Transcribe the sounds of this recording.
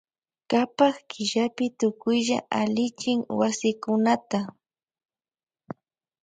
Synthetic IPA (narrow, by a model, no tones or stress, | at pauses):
kapaχkʰɪʒapɪt̪ʊkʊjʒa̰ʔalɪt͡ʃɪŋwasɪkʊnat̪a